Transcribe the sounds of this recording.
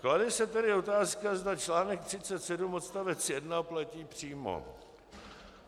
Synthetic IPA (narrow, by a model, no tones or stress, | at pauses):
klalɪsɛt̪ɛɾɪo̞t̪aːskazdat͡ʃlaːnɛk̚t̪r̥ɪt͡sɛt̪sɛdumo̞t̪st̪avɛt͡sjɛdnaplaciːpr̝̥iːmo̰